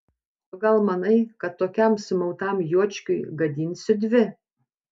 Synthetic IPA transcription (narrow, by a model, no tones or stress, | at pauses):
oɡɐlˠmɐnɐɪkɐt̪ːoːkʲɛmsʊmɐʊt̪ɑmjuɔt͡ʃʲkʲʊɪɡɐd̪ʲiːnʲsʲɪd̪ʲʋʲɪ